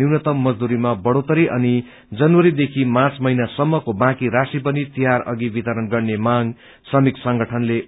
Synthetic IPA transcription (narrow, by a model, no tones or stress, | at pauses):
iwnʌt̪ʌmːʌd͡zd̪uɾimabʌɽot̪ʌɾiʔʌni | d͡zʌnwʌɾid̪ekʰimãt͡smʌjnasʌmːʌkobãkiɾasip̬ʌnit̪iɦaɾʌ̰ɡibit̪ʌɾʌnɡʌrnemãŋ | sʌmiksʌŋɡʌʈʰʌnle